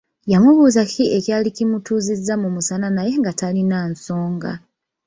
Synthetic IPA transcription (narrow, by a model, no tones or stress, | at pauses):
jamuβuːzakʰiecjaːlicimutuːzizːamumusananaje̞ŋɡatalinanso̞ːŋɡa̰